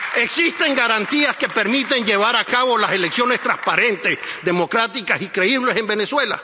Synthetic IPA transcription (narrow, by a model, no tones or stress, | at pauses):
e̞ksist̪e̞ŋɡaɾant̪iaske̞pe̞ɾmit̪e̞ɲd͡ʒe̞βaɾakaβo̞lase̞leksjo̞ne̞st̪ɾaspaɾe̞nt̪e̞sðemo̞kɾat̪ikasikɾe̞iβ̞le̞se̞mbe̞neswe̞la̰